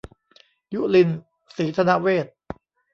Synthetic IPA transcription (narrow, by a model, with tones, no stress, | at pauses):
ju˦˥li˧n | siː˩˦t̪ʰa˧na˦˥ʔweː˥˩t̪̚